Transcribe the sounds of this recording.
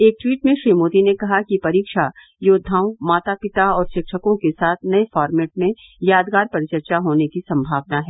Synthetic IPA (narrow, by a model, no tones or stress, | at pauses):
eːk̚ʈwiːʈmẽʃɾiːmoːt̪inekɐɦakipɐɾiːkʃa | joːd̪ʱaːwmaːt̪apɪt̪aɔːɾʃɪkʃəkõkesaːt̪ʰnɐefɔːɾmɛːʈ̚mẽ | jaːd̪ɡaːɾpɐɾɪt͡ʃəɾt͡ʃaɦoːnekisɐ̃mbʱaːʋnaɦɛː